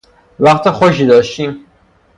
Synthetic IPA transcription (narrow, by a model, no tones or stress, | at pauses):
væχt̪ɒxoʃ̬id̪ɒʃt̪iːm